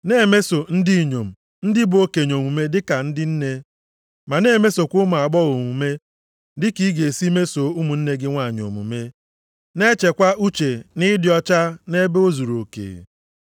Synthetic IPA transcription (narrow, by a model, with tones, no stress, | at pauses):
ne˦˨me˦so˨n̩˦di˦˨ɲo˨m̩˨ | n̩˦dɪ˦bʊ˨o˦ke˨ɲ˨o˨mʷu˨me˦dɪ˦ka˨n̩˦dɪ˦n̩˦ne˦ | ma˨ne˦˨me˦so˨kʷʊ˦mʊ˨a˨ɡ͡bɔ˦ɣo˨ŋʷu˨me˦ | dɪ˦ki˦ɡe˨si˦me˦so˨u˦mu˨n̩˦ne˦ɡɪ˦ŋʷa˦˨ɲo̰˨mṵ˨me˦ | ne˦t͡ʃe˨kʷa˦ʔu˦t͡ʃe˨nɪ˦dɪ˨˦ɔ˦t͡ʃa˦ne˦be˦o˦zu˨ɾo˨kḛ˨